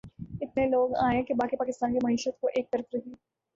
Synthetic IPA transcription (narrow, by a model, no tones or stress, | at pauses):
ɪt̪̚neloːɡaːẽkebaːkipaːkɪst̪aːnkimɐɦiːʃət̪koʔeːk̚t̪ɐɾət̪ɾɐɦeː